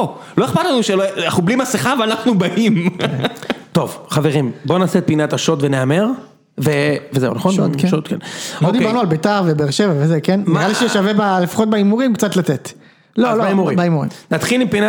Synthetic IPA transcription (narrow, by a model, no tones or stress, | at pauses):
o | lo̞eχpat̪lanuʃeloaχublimasiχaveanaχnubaʔim | t̪o̞vχaveʁimbo̞naset̪̚pinataʃot̪veneameʁ | vevezeṵnaχonokʃot̪kenlodibaʁnualbetaʁvebeːʁʃevavezekenmʁaliʃeʃavebalefḁχo̞t̚beimuʁimkt͡sat̪latet̪ | loloaimuʁibaimuʁḭmnat̪χilimpina